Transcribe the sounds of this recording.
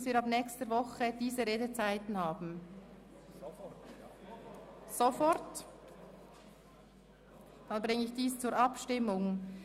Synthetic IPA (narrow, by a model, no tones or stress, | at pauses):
sviːɐɾɑbnɛːkstəɾvɔχəd̥iːzəʁeːdət͡saɪtn̩haːbn̩ | sofɔɾt | d̥ɑnbʁɪŋəɪçd̥iːst͡suːɾʔɑpʃtɪmːʊŋ